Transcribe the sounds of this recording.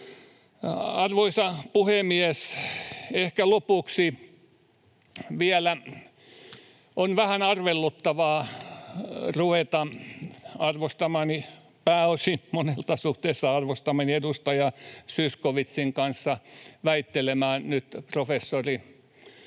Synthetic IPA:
ɑrʋoisɑpuhemies | ehkælopuksi | ʋiælæ | ʔonʋæhænɑrʋelːut̪ːɑʋɑː | ruʋet̪ɑ | ɑrʋost̪ɑmɑːni | pæːosimonelt̪ɑsuht̪eːsːɑɑrʋost̪ɑmɑniedust̪ɑjɑsyskoʋit̪siŋkɑnsːɑʋæit̪ːelemæːnyt̪profesːori

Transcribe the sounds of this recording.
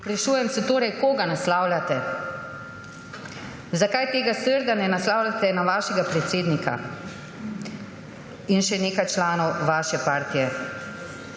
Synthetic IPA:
pɾaʃuːjɛmsɛt̪oːɾɛjkoːɡanaslawlat̪ɛ | zakajt̪eːɡasəɾd̪anɛnaslaːwlat̪ɛnaʋaːʃɛɡapɾɛt̪seːd̪nika̰ | inʃɛneːkajt͡ʃlaːnɔwʋaːʃɛpaːɾt̪ijɛ

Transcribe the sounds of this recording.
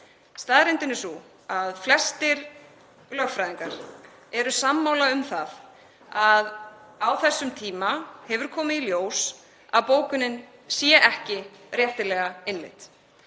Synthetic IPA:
st̪aːðɾɪnt̪ɪnːɪsu | aðflɛst̪ɪɾ | lœxfɾajðiŋkaɾ̥ | ɛɾʏsamːaːwlaʏmθað | að | awθɛsːʏmt̪ʰiːmahɛvʏɾ̥kʰɔːmɪiljoːws | a̰ðpoːwkʏnːɪn | sjɛʔɛhcɪrjɛht̪ɪlɛɣaɪnlɪ̰t̪

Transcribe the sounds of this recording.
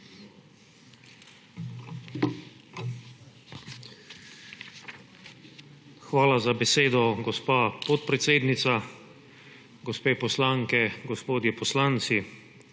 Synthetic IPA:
xʋaːlazabɛseːd̪ɔɡɔspaːpɔt̪̚pɾɛt̪seːd̪nit̪sa | ɡɔspeːpɔslaŋkɛɡɔspoːd̪jɛpɔslant̪si

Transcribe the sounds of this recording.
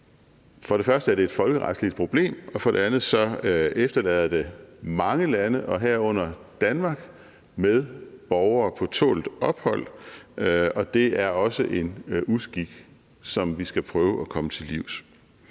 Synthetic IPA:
fɒ̽ɾ̥e̝fɶɐsd̥əæɐɾ̥e̝ːd̥fɒ̽lɡ̥əʁɑd̥slid̥̚pʰʁo̝b̥le̝̰ːmɒ̽fɒ̽ɾe̝ænð̩ˠsɒ̽efd̥ɐlɛːð̞̰ˠɐd̥e̝mɑ̈ŋəlænəʔɒ̽ɦæɐ̰ɔ̽n̰ɐd̥ænmɑ̈ɡ̥ | meðˠb̥ɒʊɐːpʰɒ̽t͡sʰɔ̰ːld̥ɒ̽b̥hɒ̽l̰ | ɒ̽d̥e̝æɐɒ̽səʔe̝nusɡ̥iɡ̥ | sɒ̽mʋisɡ̥æpʰʁœːʊʔækʰɒ̽mət͡sʰe̝liʊ̰s

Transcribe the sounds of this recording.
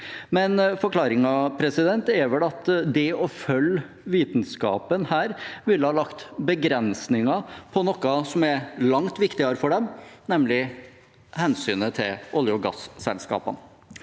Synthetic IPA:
mɛnfɔɾkʰlɑːɾɪŋɑpʰɾɛsɪd̪ɛnt̪ɛɾʋɛlɑt̪d̪ɛɔfœlː | ʋiːt̪n̩skɑ̰ːpənhæːɾʋɪlːəhɑːlɑkt̪bəɡɾɛnsnɪŋɑpʰɔnɔkːɑsɔmɛɾlɑŋt̪ʋɪkt̪ɪɑɾfɔɖɛmnɛmlɪ | hɛnsyːnət̪ʰɪlʔʊljəɡɑ̰ssɛ̰lskɑ̰ːpə̰n

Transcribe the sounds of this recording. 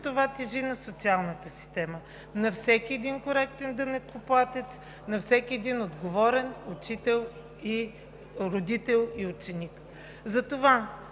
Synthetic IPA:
t̪ovat̪ɛʒinɐsot̪sialˠnət̪əsi̥st̪ɛmə | nɐfsɛkʲiɛd̪inkoɾɛk̚t̪ɛnd̪ənɛt̪koplˠat̪ɛt̪s | nɐfsɛkʲiɛd̪inod̪ɡovɔɾɛnʊt͡ʃit̪ɛlˠ | i | ɾod̪it̪ɛlˠiʊt͡ʃɛnik | zɐt̪ova

